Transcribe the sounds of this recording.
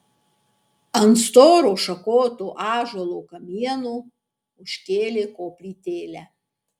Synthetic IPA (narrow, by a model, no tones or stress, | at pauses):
ɐnt̪st̪oːɾoːʃɐkoːt̪uːʔɑːʒolˠoːkɐmʲiɛnuː | ʊʃʲkʲeːlʲeːkoːpʲlʲiːt̪ʲeːlʲæː